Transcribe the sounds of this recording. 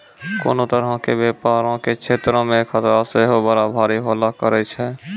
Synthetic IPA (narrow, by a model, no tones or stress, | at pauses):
ko̰ːnot̪əɾɦəkebjeːpaːɾõkekt͡ʃʰeːt̪ɾõmẽkʰət̪ɾaseɦobəɾabʱaːɾiɦoːlakəɾət͡ʃʰɛ